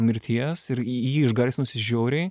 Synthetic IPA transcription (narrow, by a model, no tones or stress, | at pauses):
mʲɪɾʲt̪ʲʰiɛsɪɾjiːɪʒɡɐɾʲsnʊsʲɪʒʲoːɾʲeː